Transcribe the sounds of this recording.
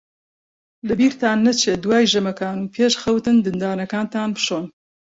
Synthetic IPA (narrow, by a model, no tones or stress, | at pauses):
lɐbiːɾt̪aːnːɐt͡ʃʰeːd̪waːjʒɐmɐkaːnuːpʰeːʃxɐwt̪ɨnd̪ɨnd̪aːnɐkaːnt̪aːnpɨ̥ʃoːn